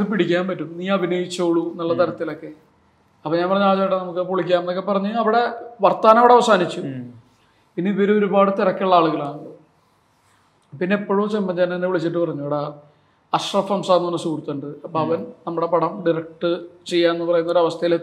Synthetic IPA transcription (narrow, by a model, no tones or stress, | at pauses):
ɨpiɽikʲːaːnpɐtːumniːɐbʱinoːjit͡ɕːoːɭunɐlːɐt̪ɐɾɐt̪ːilo̞kːe̞ | ɐpːoɲaːnpɐrɐɲːaːɭt͡ɕaːjʈːenɐmuk̬ːɨpoɭikʲːaːmenːokːepɐrɐɲːuɐʋiɽe̞ʋɐrt̪ːaːnɐʋiɽeɐʋɐsaːnit͡ɕːu | piniʋiɾuo̞ɾubaːɽɨt̪iɾɐkʲːuɭːɐaːɭuɣɐlaːɳɨɖo | pinːeepːoːɻut͡ɕemːɐɲd͡ʑanenːeʋiɭit͡ɕːiʈːɨpɐrɐɲːuʋɐɽa | ɐʂrɐfɐmsaːnːmɐnːɐsuːrt̪ːɐɳɖɨɐpːoɐʋɐnnɐmːuɽe̞pɐɽɐmɖiɾrɐk̚ʈɨt͡ɕe̞jːaːnenːɨpɐrɐjunːo̞ɾɐʋɐst̪ʰɐjile